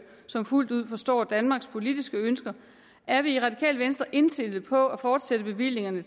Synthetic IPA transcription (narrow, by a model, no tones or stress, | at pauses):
sɒ̽mful̰d̥uð̞̰ˠfɒ̽sd̥ɒ̰ːd̥ænmɑ̈ːɡ̥spʰo̝lid̥isɡ̥əønsɡ̥ɐ | æɐʋiːʁɑ̈d̥ikʰɛ̰ːlʋensd̥ʁɐʔe̝nsd̥e̝lð̩ˠpʰɒ̽æfɒːd̥sed̥əb̥e̝ʋil̰e̝ŋɐnə